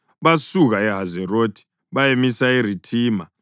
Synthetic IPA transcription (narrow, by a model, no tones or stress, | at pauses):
βasuɣaɛɦazɛrotʰi̥ | βajemisairitʰiːma